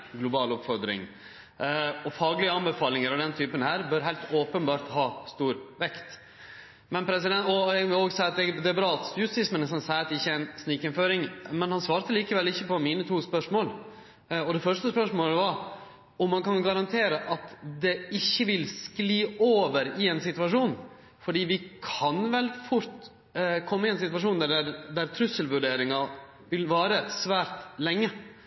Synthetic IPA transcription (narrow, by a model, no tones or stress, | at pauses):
ɡlʊbɑːlʊpfɔɾd̪ɾɪ̰ŋ | ɔfɑːɡlɪəɑnbɛfɑːlɪŋəɾɔd̪ɛnt̪ʰyːpənhæːɾbœːɾɦæɪlt̪oːpənbɑːɾt̪hɑːst̪uːɾʋɛkt̪ | mɛnpʰɾɛs̬ɪd̪ɛnɔɛʋɪloːɡsæɪɑt̪̚d̪ɛd̪ɛæbɾɑːɑlt̪sjʉst̪ɪsmɛnɛsɑnsæɪt̪ɪçːəæɪnsnikɪnføːɾɪŋmɛnhɑnsʋɑːɾt̪əliːkəʋɛlːɪçːəpɔmiːnət̪ʰuːspœʂmoːl | ɔd̪ɛfœʂt̪əspœʂmoːləʋɑɾ | ɔmːɑnkɑnɡɑɾɑnt̪ʰeːɾəʔɑt̪d̪ɛɪçːəʋɪlskliːoːʋəɾɪɛnsɪt̪ʉʋɑʂuːn | fɔɖiːʋɪkʰɑnʋɛlfʊɾt̪ | kʰɔmːəɪɛːnsɪt̪ʋɑʂuːnd̪æɖæɾd̪æɾt̪ʰɾʉsəlʋʉɖeːɾɪŋɑ | ʋɪlʋɑːɾəsʋæːɾt̪lɛŋːə